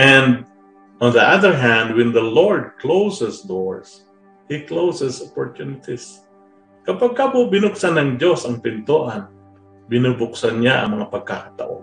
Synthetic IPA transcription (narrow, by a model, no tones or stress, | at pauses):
ʔɛ̃nd̪̚ | ʔɔnd̪əʔaðəɹɦæ̃nd̪wɛnd̪ɐloɹd̪̚klowsɛsd̪oɹs | hiklowsɛsopoɹt̪unɪt̪is | kɐpaɡ̚kabʊbɪnʊksanɐŋd͡ʒo̞sɐŋpɪnt̪oʔan | bɪnubʊksanɲaʔɐ̰ŋmɐŋapɐɡ̚kakat̪ɐ̰ʔo̰n